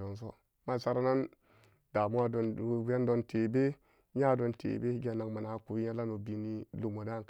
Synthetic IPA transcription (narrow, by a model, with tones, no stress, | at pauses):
do˨ns̬o̰˦ | ma˦˨sa˦ɾa˦na˦n | da˨mu˦wa˦do˨˦e˦ndo˦nte˨be˦ | ɲa˦do˨ntʰḛ˨be˦i˦ɡʲe˦˨na˨kma˨na˨˦ku˨wi˦ɲa˦la˦no˨bi˨ni˦lu˨mo˨da˦˨k